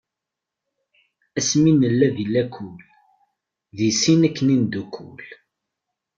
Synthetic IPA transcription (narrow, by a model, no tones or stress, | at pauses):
æsminəlːæðilːækʰːul | ðisinækːənind̪ukʰːṵl